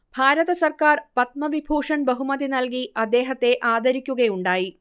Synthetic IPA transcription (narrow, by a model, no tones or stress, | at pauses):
bʱaːɾɐðɐsɐrkaːrpɐt̪̚mɐʋibʱuːʂɐnbɐɦumɐðinɐlkiɐd̪ːe̞ːɦɐt̪ːe̞ʔaːd̪ʱɐɾikʲːuɣɐjuɳɖaːji